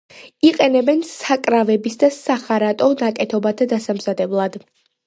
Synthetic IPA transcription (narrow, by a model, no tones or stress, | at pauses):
iqʼɛnɛbɛnsakʼɾavɛbisd̪asaχaɾat̪ʼɔnakʼɛt̪ʰɔbat̪ʰad̪asamzad̪ɛblˠad̪